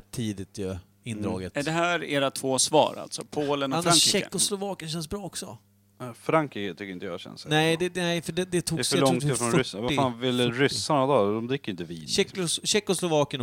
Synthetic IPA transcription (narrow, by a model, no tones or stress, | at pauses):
t̪ʰːiːd̪ɪt̪jɵ | ɪnd̪ɾɑ̰ːɡət̪æɖɛɦæːɾeːɾat̪ʰvoːsvɑ̰ːɾa̰lt̪sɔpʰoːlənɔalfaɕɛkːʊslʊvɑːkənɕ̬ɛnsbɾɑːɔksɔ | fɾaŋkɾiːkət̪ʰʏkːɾɪnt̪əja̰ɕɛ̰nsnɛɪd̪ɛɛɪfəɖɛd̪ɛt̪ʰuːfaɔɪhfɾɔnɾʏsvaɾfaːnvɪlːəɾʏsːanad̪ɑd̪ɔmd̪ɾɪkːəɾɪnt̪əviːɛɕɛkːʊslʊvɑːkən